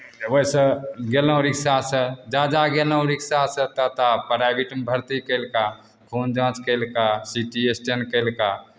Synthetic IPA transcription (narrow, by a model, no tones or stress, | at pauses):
əbəisəɡelə̃õɾiksasəd͡ʒad͡ʒaɡeləõɾiksasət̪ət̪apəɾabiʈəmbʱəɾt̪ikəlka | kʰond͡ʒãt͡ʃkəɪlkasiʈiesʈenkəɪlka